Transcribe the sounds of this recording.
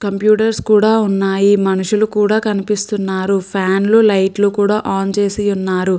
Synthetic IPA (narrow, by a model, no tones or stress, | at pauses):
kɐmpjuːʈɐɾskuːɽaːunːaːjimɐnuʂulukuːɽaːkɐnipist̪unːaːɾupʰaːnlulɐjʈlukuːɽaːʔaːnt͡ʃe̞ːsiunːaːɾu